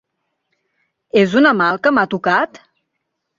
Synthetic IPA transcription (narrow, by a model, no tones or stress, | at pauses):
ezunəmalˠkəmat̪ukat̪